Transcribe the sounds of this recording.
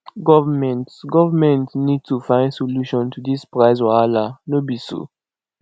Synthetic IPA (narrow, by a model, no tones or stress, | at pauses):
ɡɔvamɛ̃ntɡɔvamɛ̃ntnid̚tufãɪ̃ndsoluʃɔ̃ntʰudispɹaɪsɔalanobiso̰